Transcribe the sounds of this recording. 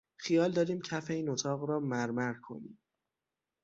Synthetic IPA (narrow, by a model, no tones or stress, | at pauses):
χijɒːld̪ɒːɾiːmcʰæfeiːnot̪ʰɒːɣɾɒːmæɾmæɾkʰo̞̰nḭːm